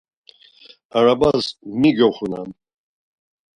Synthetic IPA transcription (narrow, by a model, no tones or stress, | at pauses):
aɾabazmiɡɛχʷuna̰n